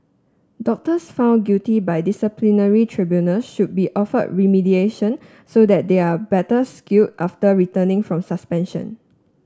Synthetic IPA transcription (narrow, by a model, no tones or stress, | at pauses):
dɔk̚təsfãʊ̃nɡutibajdisəplinəɹitʰɹibjunəlsʃud̚biʔɔfə̰d̚ɹimidieʃə̃n | sodɛt̚deabɛtəskiut̚ʔaftəɹitənɪ̃ŋfɹɔ̃msəspɛ̃nʃə̰̃n